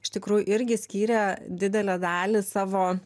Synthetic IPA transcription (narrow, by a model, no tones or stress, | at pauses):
ɪʃt̪ʲɪkɾuːjʊʔɪɾʲɡʲɪsʲkʲiːɾʲɛd̪ʲɪd̪ʲɛlʲɛd̪ɑːlʲɪsɑːʋoː